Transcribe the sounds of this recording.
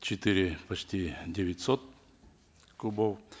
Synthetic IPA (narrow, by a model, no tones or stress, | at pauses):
t͡ɕɪt̪ɨɾʲɪpɐt͡ɕtʲidʲeʋʲɪtʲsot̪̚ | kubow